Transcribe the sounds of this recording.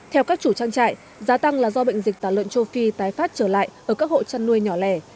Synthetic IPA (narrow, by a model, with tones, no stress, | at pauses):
t̪ʰɛ˧wkaː˦˥k̚t͡ɕu˧˩t͡ɕaː˧ŋt͡ɕa̰ː˧˨j | zaː˨˦t̪a˧ŋlaː˨˩zɔ˧ɓə̰˧˨jŋ̟zi˨˩k̟̚t̪aː˧˩lwə̰˧˨nt͡ɕo˧fi˧t̪aː˨˦jfaː˦˥t̚t͡ɕəː˧˩la̰ː˧˨jʔəː˧˩kaː˦˥k̚ho̰˧˨t͡ɕa˧nːu˧əjɲɔ˧˩lɛ˧˩